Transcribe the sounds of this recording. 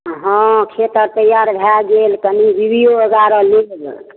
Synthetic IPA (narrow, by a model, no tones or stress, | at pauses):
ɦɔ̃kʰet̪əɾt̪əjaɾbʱɛɡelkənibibijoəɡaɾɔlikb